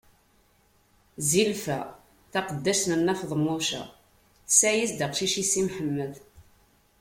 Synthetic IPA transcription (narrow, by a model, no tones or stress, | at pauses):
zilfæ̰ | θɑqəd̪ːæʃnənːæfðˤmːʊʃæ̰ | sæjisd̪aqʃiʃisimħəmːəð